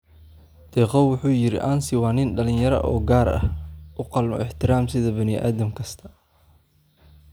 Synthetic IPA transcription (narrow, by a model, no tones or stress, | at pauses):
d̪̥ʰɛːqɑwwʊħuːjɪɾɪ̰ʔɐnsɪwɑːnɪnɖɐlɪnjɐɾɐ̰ʔɔ̰ːɡaːɾɐ̰hʔʊqɑlmɔ̰ɪħt̪ʰɪɾaːmsɪðɐbɐnɪʔa̰ːðɐmkʰɐst̪ʰɐ̥